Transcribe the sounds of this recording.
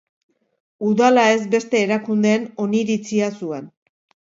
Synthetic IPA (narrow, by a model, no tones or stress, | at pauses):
uðalae̞zbe̞st̪e̞ːɾakund̪e̞ːno̞niɾit͡siasue̞n